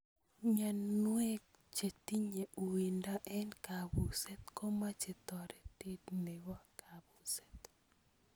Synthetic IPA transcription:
ɲa˨nwɛ˦k | t͡ʃe˨t̪i˦ɲe˨ʔu˨i˨nda˦ʔɛ˦nka˨bu˨sɛ˦t̪ko˦ma˦t͡ʃe˨t̪ɔ˨ɾɛ˦t̪ɪ˦dne˨wɔ˦kʰa˨bu˨sɛt̪

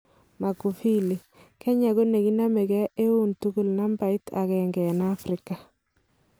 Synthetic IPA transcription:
ma˨ku˨fi˦li˨ | kʰɛ˦ɲa˨ɡo˦ne˨ki˦na˦mɛ˨kɛ˦ʔe˦u˦ntu˦ɡu˨lna˦mba˨i˦tʰa̰˨kɛ˨ŋɡɛ˨na˦fɾɪka˨

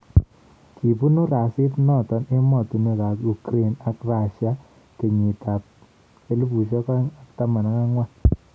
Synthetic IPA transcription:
ki˨pu˦nu˦ɾa˨sɪ˦tnɔ˦˨tɔ˦ne˦mɔ˨tu˨ne˦ka˨ku˨kɾe˦˨na˨kra˨ʃa˦ | ke˨ɲi˨ta˨p̚ | e˦lu˦bu˨ʃɔ˦ka˦ŋa˨kta˦ma˨na˨˦ka˦ŋwa˦n

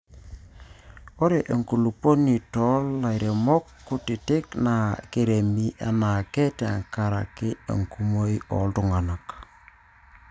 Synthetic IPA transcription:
ɔ˦ɾe˨ʔe˨ŋku˨lu˨po˦ni˨tɔ˦lːa˨jɾe˨mɔ˦kːʊ˦tɪ˨tɪ˦kna˨ke˦ɾe˨mi˦ʔa̰˨na˨ke˦te˨ŋka˨ɾa̰˨kɪ˦ḛ˨ŋku˦mo˦i˦ɔ̰˨ltʊ˨ŋa˨na˨k

